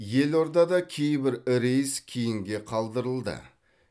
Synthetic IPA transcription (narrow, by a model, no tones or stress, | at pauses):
je̞lo̞ɾd̪ɑd̪ɑkʲʰejbɪɾɾejskʲʰijɪŋɡʲe̞qʰɑlˠd̪əɾəlˠd̪ə̰